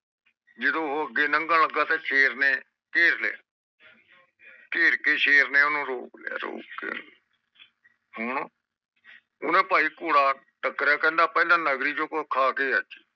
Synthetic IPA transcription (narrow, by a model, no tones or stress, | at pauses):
d͡ʒɪd̪õːɦoəɡːeːnəŋɡaːləɡaːt̪ẽːt͡ʃʰeːɾneː | keːslḛa̰ː | keːɾkeːʃʰeːɾneːʊnũːɾo̰ːkla̰ːɾo̰ːkːḛːn | ɦʊɳ | ʊ̰nẽːpaːiːkoːɽaː | ʈəkːɾaːkɛ̃ːnd̪aːpɛːlãːnəɡɾiːd͡ʒoːkkʰaːkeːət͡ʃː